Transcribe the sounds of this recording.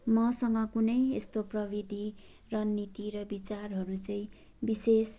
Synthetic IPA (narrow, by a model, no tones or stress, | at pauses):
mʌsʌŋɡʌkunʌjest̪oprʌbid̪ʱi | rʌnːit̪iɾʌbit͡sarɦʌɾut͡sʌĩ | bises